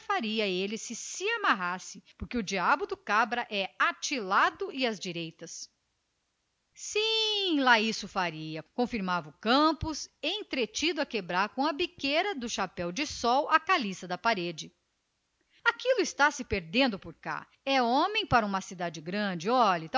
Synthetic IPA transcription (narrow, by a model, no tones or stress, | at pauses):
faɾiɐelɪsɪsɪamaɦasɪpʊɾkeʊd͡ʒiabʊd̪ʊkabɾɐʔɛat͡ʃilad̪ʊɪɐzd͡ʒiɾejt̪ɐs | sĩlaisʊfaɾiɐkõfiɾmavɐʊkɐ̃pʊsẽj̃t̪ɾet͡ʃid̪ʊɐkebɾaɾkõɐbikeɾɐd̪ʊʃapɛwd͡ʒɪsɔwɐkalisɐd̪ɐpaɾed͡ʒɪ | akilʊɪst̪asɪpeɾd̪ẽnd̪ʊpʊɾka̰ | ɛõmẽj̃paɾɐũmɐsid̪ad͡ʒɪɡɾɐ̃d͡ʒɪɔʎɐt̪